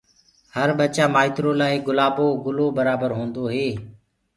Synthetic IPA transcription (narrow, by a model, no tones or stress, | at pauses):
həɾɓət͡ʃaːmaːɪt̪ɾoːlaːiɡʊlaːboːɡʊloːbəɾaːbəɾɦõːnd̪oːɦeː